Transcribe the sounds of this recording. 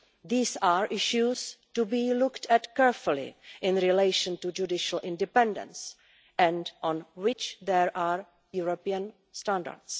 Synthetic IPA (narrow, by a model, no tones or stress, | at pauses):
ðiːsaːɹʔɪʃustubiːlʊktɛtkɛɹfʊlɪ̰ʔɪ̃nɾileɪʃə̃ntud͡ʒudɪʃəl̩ɪ̃ndɪpɛ̃ndə̰̃ns | ʔɛ̃ntʔɔ̃nwɪt͡ʃðɛɹʔaːɹ | juɹopiə̃n | stãnda̰ɹts